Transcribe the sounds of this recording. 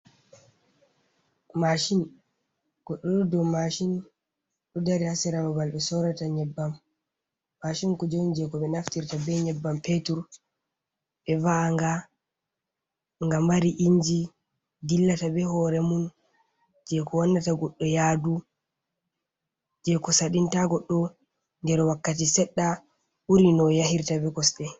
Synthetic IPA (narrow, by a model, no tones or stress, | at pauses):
maʃin | ɡ̥ɔɗːɔɗɔdɔmaʃin | ɗɔdaɾihasɛɾababalɓɛsɔɾataɲɛbːamː | aʃinkɔd͡ʒownd͡ʒɛkɔɓɛnaftiɾtabɛɲɛbːampetuɾ | ɓɛvaŋɡa | ŋɡambaɾiʔiɲd͡ʒi | dilːatabɛhɔɾɛmun | d͡ʒɛkɔwanːataɡɔɗːɔjadu | d͡ʒɛkɔsaɗintaɡɔɗːɔ | ndɛɾwakːatisɛɗːa | uɾinɔjahiɾtabɛkɔsɗɛ